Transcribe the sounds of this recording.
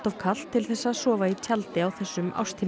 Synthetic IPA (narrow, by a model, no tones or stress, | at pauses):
t̪av̥kʰal̥t̪ʰːɪlθɛsːasɔːvait͡ɕʰalt̪ɪawθɛsːʏma̰wst̪ʰiː